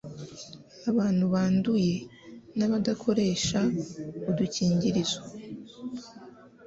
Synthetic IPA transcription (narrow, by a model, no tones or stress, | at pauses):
aβaːn̥huβaːnduje̞naβadakʰo̞ɾe̞ːʃauduciːɲɟiɾizo